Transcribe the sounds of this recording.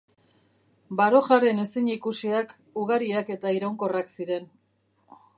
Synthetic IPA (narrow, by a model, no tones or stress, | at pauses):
baɾo̞ʝaɾene̞siɲikusiak | uɣaɾiake̞t̪aiɾawŋko̞raksiɾe̞n